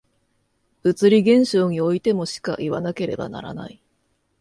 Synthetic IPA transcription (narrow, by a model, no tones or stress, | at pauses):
ɯ̟t͡sɨɾʲiɡẽ̞ɰ̃ɕo̞ːɲ̟io̞it̪e̞mo̞ɕi̥ka̰ʔiβanake̞ɾe̞̰ba̰na̰ɾa̰na̰i